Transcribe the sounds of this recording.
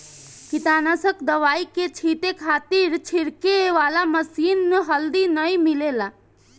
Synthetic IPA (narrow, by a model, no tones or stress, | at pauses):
kit̪anasəkd̪əʋaiket͡ʃʰit̪ekʰat̪iɾt͡ʃʰiɾkeʋalaməsinːeɦəld̪inəjmilela